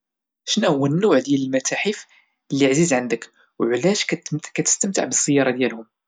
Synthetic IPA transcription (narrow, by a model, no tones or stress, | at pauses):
ʃnæwːənːuʕd̪jæləlmæt̪æħif | lːiʕzizʕənd̪ək | wʕlæʃkæt̪ə̥st̪əmt̪ə̰ʕbəsˤːəjːɑɾˤɑd̪jælhʊm